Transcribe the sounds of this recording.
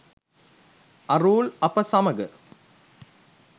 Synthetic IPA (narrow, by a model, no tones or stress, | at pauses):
ʔɐɾuːlɐpɐsɐmɐɡɐ